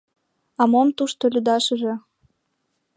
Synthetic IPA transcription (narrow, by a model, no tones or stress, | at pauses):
ɑmomt̪uʃt̪olʲyd̪ɑʃə̆ʒĕ